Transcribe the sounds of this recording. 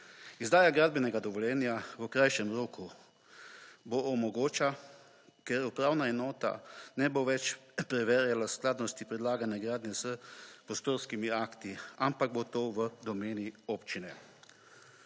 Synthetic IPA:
izd̪aːjaɡɾaːd̪̚bɛnɛɡad̪ɔʋɔljɛːnjaʋəkɾajʃɛmɾoːku | boɔmɔɡoːt͡ʃa | kɛɾupɾaːwnaɛnɔːt̪a̰nɛboʋɛt͡ʃpɾɛʋɛɾjalasklaːd̪nɔst̪ipɾɛd̪laːɡanjaɡɾaːd̪njɛzəpɾɔst̪oːɾskimiaːkt̪iampaɡ̚bot̪oːʋəd̪ɔmeːnioːpt͡ʃinɛ

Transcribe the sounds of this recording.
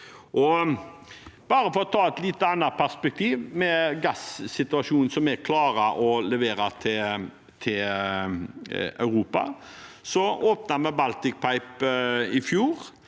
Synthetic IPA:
ʔɔ | b̥ɑːɾəfɔɾɔt̪ʰɑːɛt̪liːt̪ːəɑnːɑt̪̚pʰæʁspɛk̚t̪ʰiːʋmɛɡɑsːɪt̪ʉɑʃuːnsɔmɛkʰlɑːɾəʔɔlɛʋeːɾɑt̪ʰɪ | t̪ʰɪl | œ̰ʉɾuːpɑ̰sɔoːpnɑmɛbɑlt̪ɪk̚pʰɑɪpɪfjuːɾ

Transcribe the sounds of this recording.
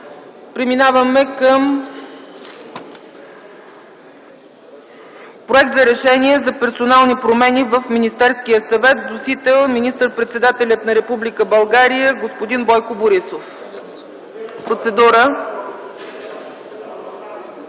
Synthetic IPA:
pɾɛminavəmɛkəm | pɾoɛk̚t̪zɐɾɛʃɛniɛzɐpɛɾsonalˠnipɾomɛnivəfminist̪ɛɾsk̟ijəsɐvɛt̪̚nosit̪ɛlˠminist̪əɾpɾɛt̪sɛd̪at̪ɛlʲət̪nɐɾɛpublikəbɐlˠɡaɾijəɡospod̪inbɔjkoboɾisof | pɾot̪sɛd̪uɾə

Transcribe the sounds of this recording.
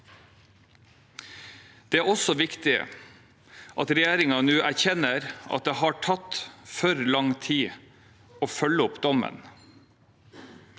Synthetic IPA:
d̪̥eːæːɾɔsɔʋɪkt̪ɪ | ʔɑt̪ɾɛjeːɾɪŋɑnʉːʔæɾçɛnəɾʔɑ̰t̪̚d̪eːhɑːʈʰɑt̪fœɾlɑŋt̪ʰiː | oːfœləʊpd̪ɔmə̰n

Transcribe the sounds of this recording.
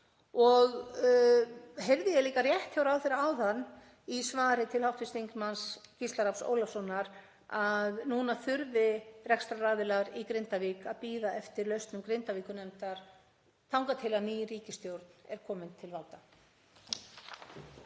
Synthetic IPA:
ɔɣ | ɦɛvðɪjɛliːkarjɛht̪çawɾawθejɾawθanː | isvaːɾɪt̪ʰɪlhawht̪ɪst̪iŋkmanscɪst̪aɾapso̰wlasɔnːaɾ | aðnuːnaθʏɾvɪrɛkst̪ɾaraːðɪlaɾikɾɪnt̪aviːkaðpiːðaɛft̪ɪɾlœɥst̪nʏmkɾɪnt̪aviːkʏnɛmt̪aɾ̥ | t̪ʰawŋkat̪ʰɪlaðniːjriːcɪst̪jowɾt̪nɛɾ̥kʰɔːmɪnt̪ʰɪlvalt̪a

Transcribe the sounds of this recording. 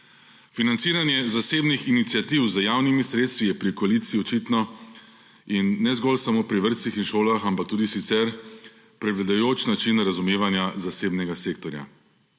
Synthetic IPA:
finant̪siːɾanjɛzaseːbnixinit̪sjat̪iwzəjaːwnimisɾeːt̪st̪ʋijɛpɾikɔaliːt̪siɔt͡ʃit̪nɔ | inːɛzɡɔlsamoːpɾiʋəɾt̪sixinʃoːlaxampakt̪uːd̪isit̪sɛɾ | pɾɛɡlad̪ajoːt͡ʃnat͡ʃinɾazumeːʋanjazaseːbnɛɡaseːk̚t̪ɔɾja̰

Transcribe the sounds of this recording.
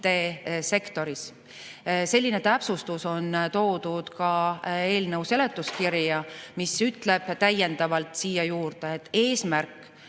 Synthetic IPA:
t̪e̞se̞kt̪o̞ɾis | se̞lʲːine̞t̪æpsust̪uso̞nt̪o̞ːd̪̥ud̪̥kɑe̞ːlnəwse̞le̞t̪ːˑuskiɾjɑmisyt̪ˑle̞b̥t̪æje̞nd̪̥ɑvɑlt̪siːjɑjuːɾd̪̥e̞et̪ːˑe̞ːsmærkːˑ

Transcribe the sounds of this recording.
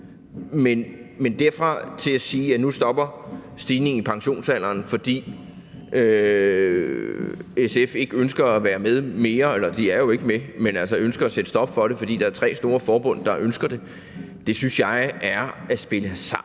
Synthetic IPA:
menmend̥æɐfʁɑ̈t͡sʰe̝æsiːænusd̥ɒ̽b̥ɐsd̥iːne̝ŋŋipʰɑ̈ŋɕo̝̰ːnsæl̰ɐːnfɒ̽d̥ḭː | ʔø | esefe̝ɡ̥əønsɡ̥ɐæʋæːɐmeðˠme̝ːɐelɐd̥iæɐjo̝e̝ɡ̥əmemenælsɐønsɡ̥ɐæsed̥əsd̥ɒ̽b̥fɒ̽ɾ̥e̝fɒ̽d̥ḭːd̥ɑæɐt͡sʰʁɛ̰ːsd̥o̝ːɐfɒːb̥ɔ̽n̰d̥ɑ̈ʔønsɡ̥ɐd̥e̝ | d̥e̝synsjɑ̈ɪʔæɐæsb̥e̝ləsɑ̈

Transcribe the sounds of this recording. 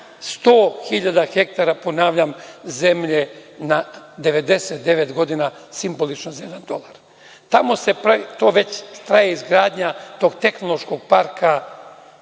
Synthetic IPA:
st̪o̞ːxiʎad̪axek̚t̪aɾapo̞naːʋʎamze̞mʎe̞na | d̪e̞ʋe̞d̪e̞set̪̚d̪e̞ʋet̪ɡo̞d̪ina | simbo̞lit͡ʃnozaje̞d̪and̪o̞lˠaɾ | t̪amo̞se̞pɾat̪o̞ːʋe̞t͡ɕst̪ɾajeizɡɾaːd̪ɲat̪o̞ɡt̪e̞xnolo̞ʃko̞ɡ̚paɾkʰa

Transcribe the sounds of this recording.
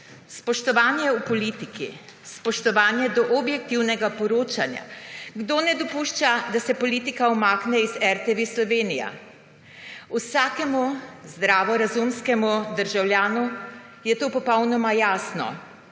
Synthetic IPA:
spɔʃt̪ɔʋaːnjɛupɔlit̪iki | spɔʃt̪ɔʋaːnjɛd̪ɔʔɔbjɛk̚t̪iwnɛɡapɔɾoːt͡ʃanja̰ɡd̪oːnɛd̪ɔpuʃt͡ʃad̪asɛpɔliːt̪ikaɔmaːknɛizɛɾt̪eʋeslɔʋeːnija̰ | usaːkɛmuzd̪ɾaːʋɔɾazumskɛmud̪əɾʒawljaːnu | jɛt̪oːpɔpɔwnɔmajaːsnɔ̰

